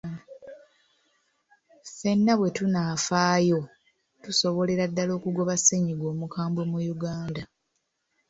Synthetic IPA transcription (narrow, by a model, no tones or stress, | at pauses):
fe̞nːaβwe̞tunaːfaːjo̞ | tuso̞βo̞le̞ɾadːalo̞ːkuɡo̞βaseɲiɡo̞ːmukaːmbomujuɡaːnda